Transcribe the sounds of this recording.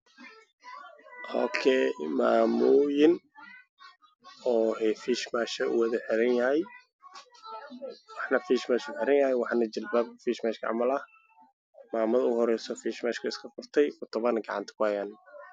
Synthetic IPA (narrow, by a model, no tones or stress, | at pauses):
hɔ̰ːkʰɛmaːmʊːjɪn | ɔːɦɛfiʃmaːʃɐʔʊ̰wɐðɐħɪɾɐnjɐɦɛj | wɑħnɐfiːʃmaːʃʊħɪɾɐnjɐɦɛjwɑħnɐd͡ʒɪlbaːbfiːʃmaːʃkʰɐ̰ʕɑ̰mɐlɐh | maːmɐðɐʊhɔɾɛjsɔfiʃmaːʃkʰɐɪskʰɐfʊrt̪ʰɛjɔt̪ʰɔβɐnɡɑʕɑ̰nt̪ʰɐ̥kʰʊhɐjaːn